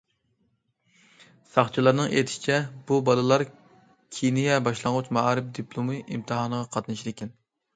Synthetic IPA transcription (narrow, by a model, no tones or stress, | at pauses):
sɑχt͡ʃʰilˠɑɾnɨŋḛt̪ʰɪ̥ʃi̥t͡ʃʰɛbubɑlˠɨlˠɑɾ | kʲʰinijɛbɑʃlˠɑŋʁut͡ʃmɑɾɨpd̪ipʰlˠumɨʔimt̪ʰɨɦɑnəʁɑqʰɑt̪nɨʃiɾekʲɛn